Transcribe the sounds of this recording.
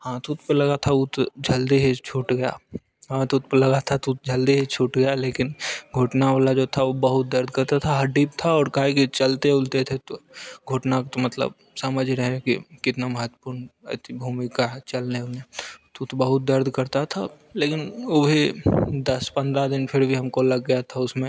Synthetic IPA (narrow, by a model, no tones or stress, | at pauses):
ɦãt̪ʊt̪̚ʰpəɾlɐɡat̪ʰaʊt̪d͡ʒʱɐld̪iɦet͡ʃʰoːʈɡɐja̰ | ɦãt̪ʊt̪̚pəɾlɐɡat̪ʰat̪ʊt̪d͡ʒʱɐld̪iɦet͡ʃʰoːʈɡɐjaleːkɪnɡʱoːʈnaalad͡ʒoːt̪ʰaʋobəɦʊt̪̚d̪ɐɾd̪ʱkɐɾt̪at̪ʰaɦɐɖiːp̚t̪ʰaɔːɾkaɦekit͡ʃɐlt̪eʊlt̪et̪ʰet̪oɡʱoːʈnakt̪omɐt̪lə̰b | sɐməd͡ʒʱɾəɦekḭkɪt̪namɐɦət̪ːə̥puːɾnɛ̰t̪ibʱuːmɪkat͡ʃɐlneʊnet̪ut̪bəɦʊt̪̚d̪ɐɾd̪ʱkɐɾt̪at̪ʰa | leːkɪnoːbʱid̪ɐspɐ̃nd̪ɾad̪ɪnpʰɪɾbʱiɦɐmkolɐɡːɐjat̪ʰaʊsmẽ